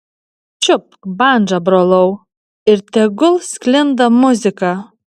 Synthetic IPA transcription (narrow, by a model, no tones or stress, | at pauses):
t͡ʃʲʊp̚kbɑˑnʲd͡ʒɐbɾoːlˠɐʊ | ɪɾt̪ʲɛɡʊlˠsʲkʲlʲɪnd̪ɐmʊzʲɪkɑ